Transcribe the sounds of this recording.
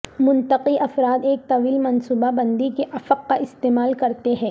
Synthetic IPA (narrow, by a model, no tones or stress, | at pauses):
mʊ̃nt̪ɐqiʔɐfɾaːd̪eːk̚t̪ɐʋiːlmɐnsuːbabɐ̃nd̪ikeʔɐfəqːaʔɪst̪eːmaːlkɐɾt̪eɦɛ̃ː